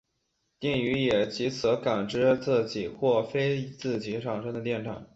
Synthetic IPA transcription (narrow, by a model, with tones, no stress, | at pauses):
t̪i˥˩ŋy˧˥jɛ˨˩t͡ɕi˧˥t͡sʰɤ˧˥ka˨˩ŋʈ͡ʂɻ̩˥t͡sɤ˥˧t͡ɕi˨˩˦xwɔ˥˩fe˥ɪt͡sɹ̩˥˩t͡ɕi˧˥ʂɑ˨˩ŋʂɤ˥ŋd̪ə˧t̪jɛ˥˩nʈ͡ʂʰɑ̰˨˩˦ŋ